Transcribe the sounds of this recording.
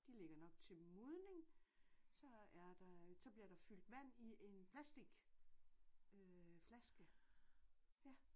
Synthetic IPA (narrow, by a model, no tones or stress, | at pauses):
d̥ile̝ɡ̥ɐnɒ̽ɡ̥̚t͡sʰe̝moð̞ˠne̝ŋ | sɒ̽æɐd̥ɑsɒ̽b̥liɐɾ̥ɑ̈fyl̰d̥ʋæn̰iʔe̝npʰlæsd̥iɡ̥ | øflæsɡ̥ə | jæ